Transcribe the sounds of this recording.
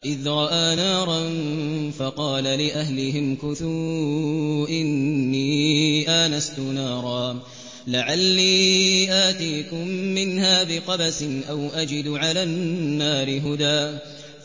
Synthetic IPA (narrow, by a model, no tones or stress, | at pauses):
ʔɪðɾˤɑʔaːnaːɾˤɑnfɑqɑːlalɪʔahlɪɦɪmkʊθuː | ʔɪnːiːʔaːnast̪ʊnaːɾˤɑː | laʕalːiːʔaːt̪iːkʊmːɪnhaːbɪqɑbasɪnʔawʔad͡ʒɪd̪ʕalaːnːaːɾɪɦʊd̪aː